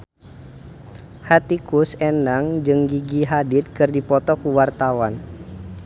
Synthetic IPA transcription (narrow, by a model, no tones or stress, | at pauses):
hat̪ikusɛnaŋd͡ʒɨŋɡiɡiɦadit̪̚kɨrdipɔt̪ɔkuwart̪awan